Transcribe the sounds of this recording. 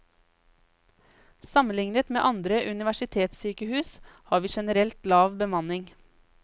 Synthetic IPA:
sɑmənlɪŋnət̪mḛːʔɑnd̪ɾəʔʉnɪʋæʃɪt̪ʰeːt̪syːkəhʉːshɑːɾʋiːʃɛnəɾɛlt̪lɑːʋbəmɑnɪŋ

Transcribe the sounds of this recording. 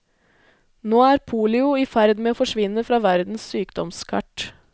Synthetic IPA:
noːæːɾpʰuːlɪʊiːfæɾd̪meːoːfɔʂʋɪnːəfɾɑːʋæɾd̪n̩ssyːkd̪ɔmskʰɑ̰ʈ

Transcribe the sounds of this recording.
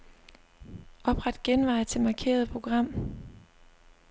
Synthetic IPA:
ʔɒ̽b̥ʁɑ̈d̥ɡ̥enʋɑ̈ɪ̰t͡sʰe̝lmɑ̈kʰe̝̰ːɐð̞ˠpʰʁo̝ɡ̥ʁɑ̈m̰

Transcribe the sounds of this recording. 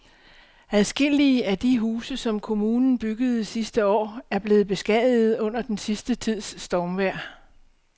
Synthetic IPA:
æðˠsɡ̥e̝l̰iəæd̥iɦuːsəsɒ̽mkʰo̝muːnn̩b̥yɡ̥əð̞̩ˠisisd̥əɒ̰ːæɐb̥le̝ːð̩ˠb̥e̝sɡ̥ɛð̰ˠð̩ˠɔ̽n̰ɐd̥ensisd̥ət͡sʰið̰ˠsːd̥ɒʊmʋæɐ̰

